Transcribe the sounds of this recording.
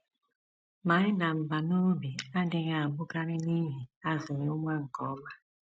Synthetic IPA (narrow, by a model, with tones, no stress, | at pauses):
ma˨˦ɪ˦na˨m̩˨ba˨no˦bi˨a˦dɪ˨ŋa˨a˨bʊ˦ka˦ɾɪ˦ni˦ɦi˨a˦zɪ˨ɲ˦ʊ˦ŋʷa˦ŋ̩˨kɔ˨˦ma˦